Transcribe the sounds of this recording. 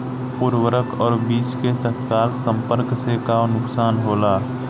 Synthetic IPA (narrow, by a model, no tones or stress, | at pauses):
puɾwəɾəkɔːɾbiːt͡ʃket̪ət̪kaːlsə̃mpəɾksekanʊksaːnɦoːlaː